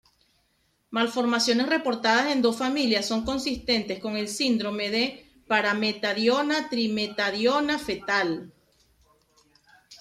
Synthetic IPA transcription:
malfo̞ɾmasjo̞ne̞sre̞po̞ɾt̪að̞ase̞nd̪o̞sfamiljasːo̞ŋko̞nsist̪e̞nt̪e̞sko̞ŋe̞lsind̪ɾo̞me̞ðe̞ | paɾame̞t̪aðjo̞nat̪ɾimet̪aðjo̞nafe̞t̪al

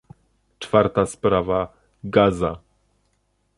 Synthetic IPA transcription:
t͡ʂfaɾt̪aspɾava | ɡaza

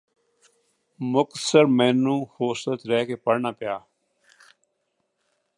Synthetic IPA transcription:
mʊk̪səɾmeːnũːhoːsət̪ɾɛːkeːpəɽnaːpjaː

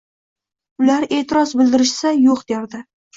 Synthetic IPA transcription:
ʊlaɾe̞ːt̪ʰɪɾɒzbɪld̪ɪɾɪʃsajoqd̪eɾd̪ɪ

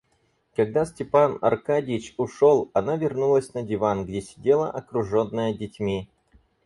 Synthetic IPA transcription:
kɐɡ̚d̪asʲtʲɪpanɐ̰rkadʲɪɪt͡ɕʊʂolˠɐnavʲɪrnulˠəsʲnədʲɪvanɡdʲesʲɪ̥dʲe̞lˠəʔɐkɾʊʐo̞nːəjədʲɪtʲmʲi

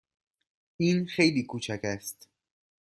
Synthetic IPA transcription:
iːnxe̞jliːkʰuːt͡ʃʰæcæst̪

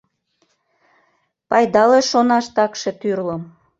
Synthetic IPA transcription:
pɑjd̪ɑleʃonɑʃt̪ɑkʃet̪yrləm

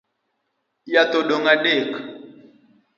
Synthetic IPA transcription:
jat̪oɗoŋaɗek

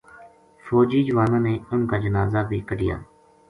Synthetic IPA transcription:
foːd͡ʒiːd͡ʒəʋaːnãːneːʊnkaːd͡ʒənaːzaːbiːkəɖɪja̰ː

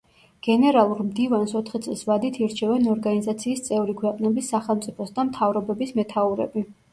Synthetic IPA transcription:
ɡ̥ɛnɛɾalˠuɾmd̪ivansɔt̪ʰχit̪sʼlˠsvad̪it̪ʰiɾt͡ʃʰɛvɛnɔɾɡanizat̪sʰiːst̪sʼɛvɾikʰwɛqʼnɛbisːaχɛlˠmt̪sʼipʰɔsd̪amt̪ʰavɾɔbɛbismɛt̪ʰauɾɛ̰bi

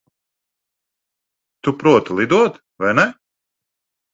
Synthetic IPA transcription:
t̪upɾuɔt̪lˠid̪uɔt̪ | vajnɛ

